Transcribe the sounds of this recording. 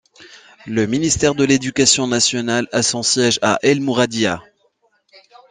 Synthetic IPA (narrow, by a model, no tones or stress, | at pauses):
ləminist̪ɛʁd̪əled̪ykasjɔ̃nasjɔnalasɔ̃sjɛʒa̰ʔɛlmuʁad̪ja